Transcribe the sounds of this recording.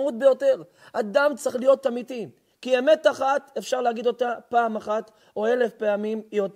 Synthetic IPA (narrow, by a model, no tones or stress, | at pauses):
ut̪̚be̞jo̞te̞ʁ | ad̪amt͡sʁeχlijo̞t̪ːamit̪i | kie̞me̞t̪aχat̪efʃaʁleaɡid̪o̞t̪apaːmaχat̪ | oe̞lefpe̞amimjot̪